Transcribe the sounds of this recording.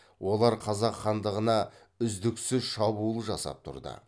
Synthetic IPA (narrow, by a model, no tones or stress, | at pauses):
wʔo̞lˠɑɾqʰɑzɑqχɑnd̪əʁənɑ | ʏzd̪ɪksʏzʃɑbulˠəʒɑsɑ̰p̚t̪ʰʊ̰ɾd̪ə̰